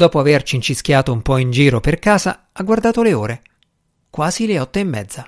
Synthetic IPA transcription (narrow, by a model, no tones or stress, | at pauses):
d̪ɔːpoavert͡ʃiːnt͡ʃiskʲjaːt̪oumpɔind͡ʒiːɾoperkaːza̰ | aɡward̪aːt̪oleoːɾe | kwaːz̥ileɔt̪ːoimːɛ̰d̪za